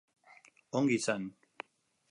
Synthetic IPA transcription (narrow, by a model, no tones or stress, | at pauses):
oŋɡisan